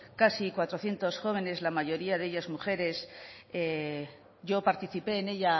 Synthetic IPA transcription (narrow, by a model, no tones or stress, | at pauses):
kasikwat̪ɾo̞θje̞nt̪o̞sxo̞β̞e̞ne̞zlamaʝo̞ɾiaðe̞ʎazmuxe̞ɾe̞se | ʝo̞paɾt̪iθipe̞ːne̞ʎa